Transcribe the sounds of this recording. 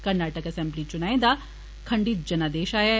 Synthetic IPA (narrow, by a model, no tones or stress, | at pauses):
kɐɾnaːʈəkɐsɛ̃mblit͡ʃʊnaːẽd̪a | kʰɐɳɖiːt̪̚d͡ʒɐnad̪eːʃaːja